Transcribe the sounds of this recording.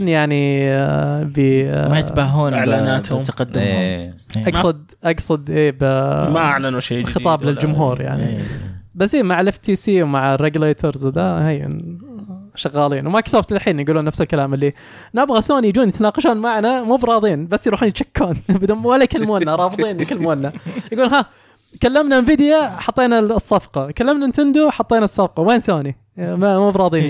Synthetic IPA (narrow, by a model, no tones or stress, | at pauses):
ɪnːjaʕni | bimajɪt̪bahuːnʕlaːnaːt̪hʊt̪aqad̪ːmh | ʔɑɡsˤʊd̪̚ | ʔɑɡsˤɑd̪ʔeːbmaʔaʕlanuʃexɨt̪ˤɑːblɪld͡ʒʊmɦuːɾja̰ʕnḭbasːʔiːmaʕɪlʔɪft̪iːsiːwmaʕrːeɡleːt̪ʰɑɾzd̪ahajɪ̰n | ʃɑɣɑːliːnwmaksoːft̪lɪlħiːnjɡuːluːnːafsɪlkalaːmɪlːi | nɪbɣasoːnijd͡ʒuːnjɪt̪anɑːqɑʃuːnmaʕnamuːbɾˤɑːðˤiːnbasːjɾˤuːħuːnjɪt̪t͡ʃḁkʰːuːnbɪd̪uːnwalːajkalːmuːnːaɾˤɑːfɨðˤiːnkalːmuːnːajɡuːlnɦa | kalːamnamviːd̪jaħɑt̪ˤːeːnasˤːɑfqɑkalːamnaɪnt̪ɪnd̪uħɑt̪ˤːeːnɑsˤːɑfqɑweːnsoːni | mamuːbɾˤɑːðˤiːn